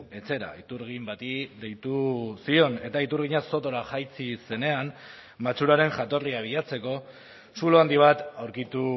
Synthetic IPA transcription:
e̞t͡se̞ɾa̰it̪uɾɣimbat̪id̪e̞jt̪usio̞ne̞t̪ait̪uɾɣiɲaso̞t̪o̞ɾaxajt͡sise̞ne̞an | mat͡suɾaɾe̞ŋʝat̪o̞riaβ̞iʎat͡se̞ko̞ | suloand̪iβ̞at̪awɾkit̪u

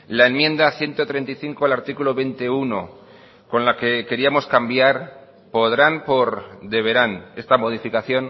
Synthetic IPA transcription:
laenmjẽ̞nd̪aθje̞nt̪o̞t̪ɾe̞nt̪iθiŋkoalaɾt̪ikuloβe̞nt̪euno | ko̞nlake̞ke̞ɾiamo̞skambjaɾ | po̞ðɾanpo̞ɾd̪e̞β̞e̞ɾane̞st̪amo̞ð̞ifikaθjo̞n

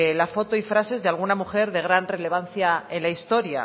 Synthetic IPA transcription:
lafo̞t̪oifɾase̞zðealɣ̞unamuxe̞ɾðe̞ɣ̞ɾanre̞le̞β̞anθjae̞nlaist̪o̞ɾja̰

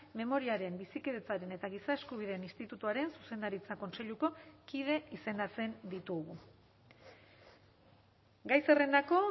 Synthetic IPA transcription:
me̞mo̞ɾiaɾe̞mbisikeðe̞t͡saɾe̞ne̞t̪aɣ̞isae̞skuβ̞iðeːnist̪it̪ut̪uaɾe̞nsuse̞nd̪aɾit͡sako̞nse̞ʎuko̞kið̞e̞ise̞nd̪at͡se̞nd̪it̪uɣu | ɡajse̞re̞nd̪ako̞

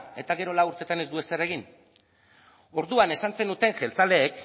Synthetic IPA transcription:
e̞t̪aɣe̞ɾo̞lauɾt̪e̞t̪ane̞zd̪ue̞sere̞ɣin | o̞ɾðuane̞sant͡se̞nut̪e̞ŋʝe̞lt͡sale̞ːk

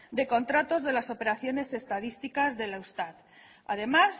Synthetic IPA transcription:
d̪e̞ko̞nt̪ɾat̪o̞zð̞e̞laso̞pe̞ɾaθjo̞ne̞se̞st̪aðist̪ikazðe̞lawst̪at̪ | a̰ðe̞mas

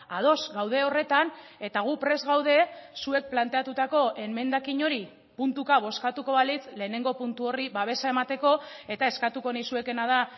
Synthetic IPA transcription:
að̞o̞zɡawð̞e̞o̞re̞t̪ane̞t̪aɣ̞upɾe̞zɣawð̞e̞sue̞k̚plant̪e̞at̪ut̪ako̞ʔe̞me̞nd̪akiɲo̞ɾi | punt̪ukaβ̞o̞skat̪uko̞βalit͡sle̞ːne̞ŋɡo̞punt̪uo̞riβaβ̞e̞sae̞mat̪e̞ko̞e̞t̪ae̞skat̪uko̞najsue̞ke̞nað̞a

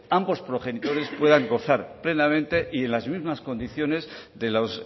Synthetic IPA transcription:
ambo̞spɾo̞χe̞nit̪o̞ɾe̞spwe̞ðaŋɡo̞θaɾple̞namẽ̞nt̪e̞ʔie̞nlazmizmasko̞nd̪iθjo̞ne̞zðe̞los

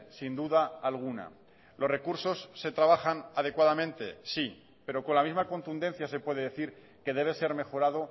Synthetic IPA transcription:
sind̪uðaːlɣ̞una̰ | lo̞sre̞kuɾso̞sːe̞t̪ɾaβaxanað̞e̞kwaðamẽ̞nt̪e̞si | pe̞ɾo̞ko̞nlamizmako̞nt̪und̪e̞n̟θjase̞pwe̞ð̞e̞ðe̞θiɾ | ke̞ðe̞β̞e̞se̞ɾme̞xo̞ɾaðo̞

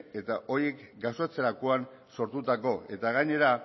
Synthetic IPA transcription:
e̞t̪aʔo̞ɾjekɡaset͡seɾakoan | so̞ɾt̪ut̪ako̞e̞t̪aɣ̞aɲe̞ɾa

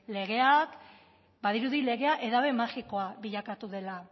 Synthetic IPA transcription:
le̞ɣ̞e̞ak | baðiɾuðile̞ɣe̞aʔe̞ðaβe̞maxiko̞aβiʎakat̪uðe̞la

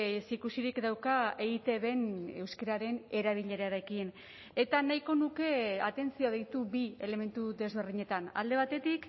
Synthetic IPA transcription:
sikusiɾikd̪awkae̞ɣit̪e̞βe̞ne̞wskeɾaɾe̞ne̞ɾaβ̞iʎe̞ɾaɾe̞kin | e̞t̪anajko̞nuke̞at̪e̞nt͡sioðejt̪ubiele̞me̞nt̪uðe̞zβ̞e̞ɾðiɲe̞t̪ana̰ld̪e̞β̞at̪e̞t̪ik

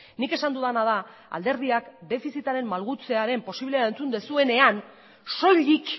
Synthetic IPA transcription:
nike̞sand̪uðanað̞a | a̰ld̪e̞ɾð̞iakd̪e̞fisit̪aɾe̞mːalɣut͡se̞aɾe̞mpo̞siβleaent͡sund̪e̞sue̞ne̞an | so̞ʎik

